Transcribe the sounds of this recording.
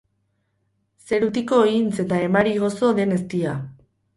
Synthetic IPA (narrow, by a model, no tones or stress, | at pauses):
se̞ɾut̪iko̞int͡se̞t̪ae̞maɾiɣ̞o̞so̞ðe̞ne̞st̪ia